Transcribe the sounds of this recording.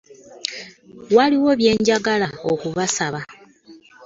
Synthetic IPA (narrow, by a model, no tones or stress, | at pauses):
waliwo̞βje̞ːɲɟaɡalao̞kuβasaβa